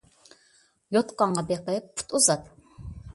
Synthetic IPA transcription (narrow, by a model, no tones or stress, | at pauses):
jot̪qɑɴʁɑbeqəɪpːʰu̥t̪uzɑt̪